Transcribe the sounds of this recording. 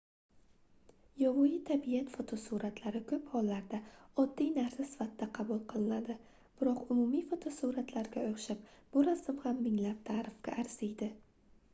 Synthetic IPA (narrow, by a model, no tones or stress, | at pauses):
jɒvʊjɪt̪ʰabijat̪fot̪ʰosuɾat̪ʰlaɾɪkʰɵphɒlːaɾd̪aɒd̪ːijnaɾsɪsɪ̥fat̪ːaqʰɑbʊlˠqʰɨlˠɪnad̪ɪ | b̥ɪɾɒqʊmʊmijfot̪ʰosuɾat̪ʰlaɾɡʲaoχʃap̚b̥ʊɾasɪmhamːɪŋlap̚t̪ʰaːɾɪfkʲa̰ʔːɾsɪjd̪ɪ